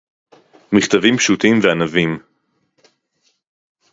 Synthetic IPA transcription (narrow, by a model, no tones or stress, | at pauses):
miχt̪avimpʃut̪imveanavim